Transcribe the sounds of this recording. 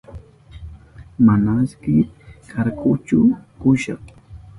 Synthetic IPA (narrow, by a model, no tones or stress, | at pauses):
manaskɪkʰaɾkʊt͡ʃʊkʊʃɑχ